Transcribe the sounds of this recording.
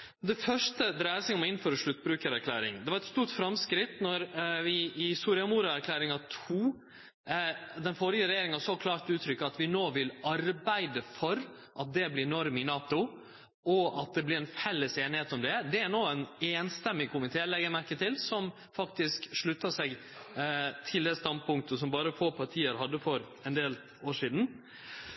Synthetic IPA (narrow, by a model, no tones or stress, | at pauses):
d̪ɛfœʂʈəd̪ɾæːəsɛɪɡɔmɔɪn̩føːɾəʂɭʉt̪ːbɾʉːkəɾæɾkʰlæ̰ːɾɪ̰ŋd̪ɛʋɑɾɛt̪st̪uːɾʈfɾɑmskɾɪt̪ːnɔɾʋɪɪsuːɾɪɑmuːɾəæɾkʰlæːɾɪŋɑt̪ʰuː | d̪ɛnfɔɾɪjəɾɛjeːɾɪŋɑsɔkʰlɑːɾt̪ʉːt̪ʰɾʏkːəɑt̪ʋɪnoːʋɪlɑɾbæɪd̪əfɔɾ | ʔɑt̪̚d̪ɛblɪɾɛnɔɾmɪnɑːt̪ʊ | ʔɔʔɑt̪̚d̪ɛblɪɾɛnfɛlːəseːnɪheːt̪ɔmd̪ɛd̪ɛæɾnoːæneːnst̪ɛmːɪkʰʊmɪt̪ʰeːlɛɡəɾmæɾkət̪ʰɪlsɔm | fɑkt̪ɪskʂɭʉt̪ːɑsɛɡ | t̪ʰɪld̪ɛst̪ɑnd̪̚pʊŋkt̪əsɔmbɑːɾəfoːpʰɑɾʈ̪ʰiːəɾɦɑd̪ːəfɔɾ | ɛnd̪eːl | oːʂiːd̪n̩